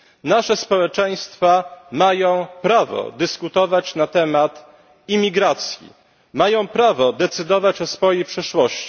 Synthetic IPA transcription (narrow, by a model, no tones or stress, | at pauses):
naʂɛspɔwɛt͡ʂɛj̃st̪famajɔ̃w̃pɾavɔ̰d̪ɘskut̪ɔvat͡ɕnat̪ɛmat̪ | imʲiɡɾat̪sʲjḭ | majɔ̃w̃pɾavɔd̪ɛt̪sɘd̪ɔvat͡ɕɔsfɔjejpʂɛʂwɔɕt͡ɕi̥